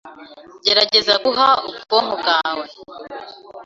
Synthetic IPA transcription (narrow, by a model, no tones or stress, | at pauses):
ɟeɾaɟe̞zaɡuɦauɡu̥koŋoɡaːwe